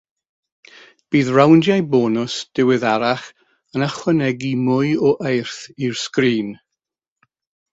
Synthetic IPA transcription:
b̥iːðrawndjajbɔːnʊsd̥ɪwɪðaɾaχ | ənaχwɛnɛɡimʊɨɔʔejrθiɹskriːn

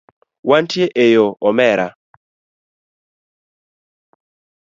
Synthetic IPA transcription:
wantʰjeʔejoʔɔmɛɾa

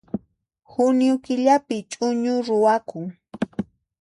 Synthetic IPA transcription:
hʊnjʊkɪʎapɪt͡ʃʼʊɲʊɾʊwakʊŋ

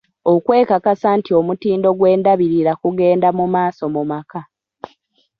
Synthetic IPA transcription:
o̞kwe̞ːkakasantio̞mutiːndo̞ɡwe̞ːndaβiɾiɾakuɡe̞ːndamumaːso̞mumaka

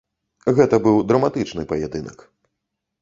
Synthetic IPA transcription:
ɣɛt̪ɐbɨwd̪ɾɐmat̪ɨt͡ʂnɨpɐjɛd̪ɨnɐ̰k

